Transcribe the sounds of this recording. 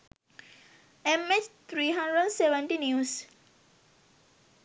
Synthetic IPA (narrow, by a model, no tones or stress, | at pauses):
emest̪ʰɾiːɦãɳɖɾəɖseʋə̃ɳʈinjuːs